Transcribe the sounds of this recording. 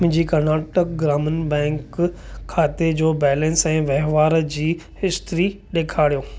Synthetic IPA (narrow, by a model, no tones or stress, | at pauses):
d͡ʑiːkɐɾnaːʈək̚ɡɾaːmənbɛ̃ːŋkʰːaːt̪ed͡ʑoːbɛːlɛ̃nsɛ̃ːʋɛɦʋaːɾd͡ʑiː | hɪst̪ɾi | ɗeːkʰaːɽijoː